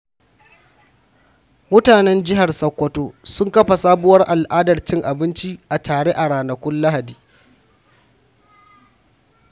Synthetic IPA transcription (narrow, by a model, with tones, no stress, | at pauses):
mʊ˦taː˨nɛ˦nd͡ʒɪ˦ɦa˨rsɐ˦kʷːɔ˦toː˦sʊ˦ŋkɐ˦ɸa˨saː˦bʊ˦wɐ˦rʔa˨lʔaː˦dɐ˨rt͡ʃɪ˦ŋʔa˨bɪ˦nt͡ʃi˦ʔa˨tʰaː˨ɽeː˦ʔa˨ɽaː˨nɐ˨kʷʊ˦nla˦ɦa˨diː˨